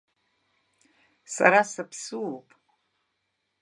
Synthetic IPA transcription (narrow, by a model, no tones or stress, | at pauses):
sa̰ɾasapʰsɨwopʼ